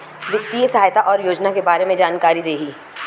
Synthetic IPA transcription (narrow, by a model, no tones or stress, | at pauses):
ʋjɪkt̪iesɐɦaːjt̪aʔɔːɾjoːd͡ʒnakebaːɾemẽd͡ʒaːnkaːɾid̪eːɦiː